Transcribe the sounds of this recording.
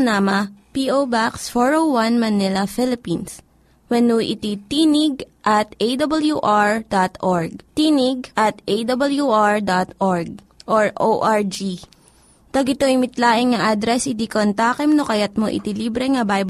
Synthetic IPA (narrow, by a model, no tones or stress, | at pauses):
namɐpiʔowbaksfoɹowwɐnmɐnɪlɐfɪlɪpins | wɛnuʔɪ̰t̪it̪iːnɪɡ̚ʔɐt̪ʔejd̪ɐbɐljuʔaɹd̪at̪ʔoɹɡ̚t̪iːnɪɡ̚ʔɐt̪ʔejd̪ɐbɐljuʔaɹd̪at̪ʔoɹɡ̚ | ʔoɹʔoʔaɹd͡ʒi | t̪ɐɡɪt̪oɪmɪt̪laːʔɪŋŋɐʔad̪ɾɛsɪd̪ikont̪aːkɛmnokɐjat̪̚moʔɪ̰t̪iliːbɾɛŋɐbajb